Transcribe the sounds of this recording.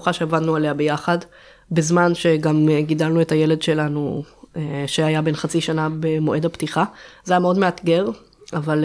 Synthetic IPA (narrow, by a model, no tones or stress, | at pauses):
uχaʃeavadnualehabejaχad | bezmanʃe̞ɡamɡidalnuetaje̞le̞dʃe̞lanueʃeajabe̞nχat͡siʃanabemo̞ʔe̞daptiχazeajameo̞dmeatɡe̞ʁ | aval